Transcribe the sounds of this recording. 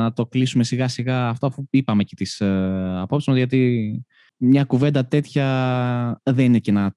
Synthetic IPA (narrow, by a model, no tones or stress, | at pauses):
ɐt̪o̞klisume̞siɣɐsiɣɐːft̪oɐfuipɐme̞cet̪isɐpo̞psizmɐzʝɐt̪̬i | mɲɐkuve̞nd̪ɐt̪e̞t̪çɐ | ðeninecenɐ